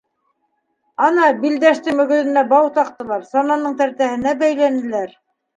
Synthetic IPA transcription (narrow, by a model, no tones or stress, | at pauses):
ɑnɑbild̪æʃt̪ɘmɵ̆ɡɵ̆t̪ɘ̆næbɑwt̪ɑq̚t̪ɤ̆lˠɑɾsɑnɑnːɤɴt̪æɾt̪æhɘ̆næbæjlænɘ̆læɾ